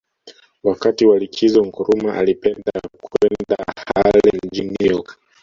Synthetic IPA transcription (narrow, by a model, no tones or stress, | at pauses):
wakatiwalikʰizɔŋ̩kɔɾumaʔa̰lipɛndakwɛnda̰halɛɲ̩d͡ʒinijɔk